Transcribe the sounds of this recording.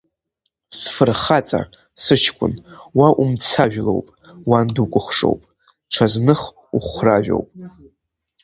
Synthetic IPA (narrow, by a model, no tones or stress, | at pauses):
sfɨrχat͡sʼa̰ | sɨt͡ʃʰkʷʰʼʊ̰nwaʔumt͡sʰaʒᶣlo̰wpʼ | wandukʷʼʊχʷʂo̰wpʼ | ʈ͡ʂʰaznɨχ | uχʷraʒᶣo̞̰wpʼ